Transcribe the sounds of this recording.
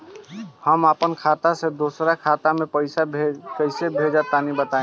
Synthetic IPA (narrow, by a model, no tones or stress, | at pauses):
həmapənkʰat̪ased̪osɾakʰat̪amẽpəɪsabekəɪsebʱed͡ʒat̪anibət̪aẽ